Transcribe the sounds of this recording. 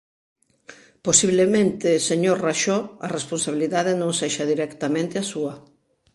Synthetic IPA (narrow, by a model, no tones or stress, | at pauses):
posiβlemẽnt̪eseɲoɾraʃoaresponsaβiliðaðenõŋseʃaðiɾɛkt̪amẽnt̪easuɐ